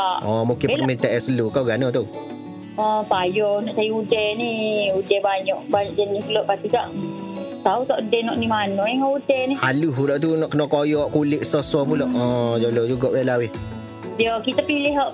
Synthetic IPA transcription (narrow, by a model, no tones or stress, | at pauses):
aʔɔmukɪnərmint̪ɛʔasəlukawɡanɔt̪u | ɔ̃pajɔnɔʔsajuudɛniudɛbaɲɔʔbaɲɔʔd͡ʒɛnikəlɔʔpast̪ikaʔt̪aut̪ɔʔudɛnɔʔnimanɔjaŋaudɛnihaluɦuɾɔʔt̪̬unɔʔkənɔʔkojɔʔkulɪʔsɔsɔpulɔʔɔ̃d͡ʒolɔd͡ʒuɡɔʔwɛlawɪh | iɔkit̪apilɪɦɔʔ